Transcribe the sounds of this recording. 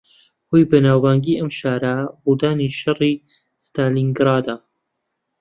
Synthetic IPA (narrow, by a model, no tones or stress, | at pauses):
hoːjbɐnaːwbaːŋɡiːʔɐmʃaːɾɐbuːd̪aːniʃɐri | st̪aːliŋɡɾɑːd̪a